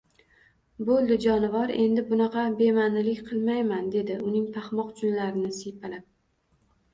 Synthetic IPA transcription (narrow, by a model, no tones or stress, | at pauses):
bolˠd̪ɪd͡ʒɒnɪvɒɾe̞nd̪ɪbʊnɑqʰɑbe̞manɪlɪkʲqʰɨlˠmajmand̪e̞d̪ɪʔʊnɪŋpʰɑχmɒqt͡ʃʰʊnlaɾɪnɪsijpʰalap̚